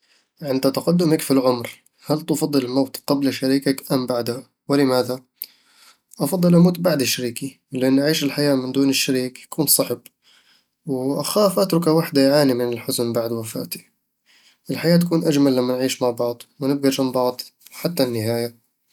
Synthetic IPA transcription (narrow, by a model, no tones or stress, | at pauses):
ʕɪnd̪at̪ɑqad̪ːʊmakfilʕʊmɾ | halt̪ɑfɑd̪ˤːɨlɪmawt̪qɑblaʃaɾiːkakʔambaʕd̪a | wɪlɪmaːða | ʔɑfɑd̪ˤːɨlʔamoːt̪baʕd̪ɪʃːaɾiːki | lɪʔanːʔaʕiːʃɪlħajaːmɪnd̪uːnɪʃːaɾiːkjḁkuːnsˤɑħb | wʔaxaːfʔat̪ɾˤʊkawaħd̪ajʕaːnimɪnɪlħʊzʊnbaʕd̪wafa̰ːt̪i̥ | ʔɪlħajaːt̪̬akuːnʔad͡ʒmalːamːanʕiːʃmaʕbɑʕd̪ˤwnɪb̚ɡaʒambɑʕd̪ˤħat̪ːanːɪhaːja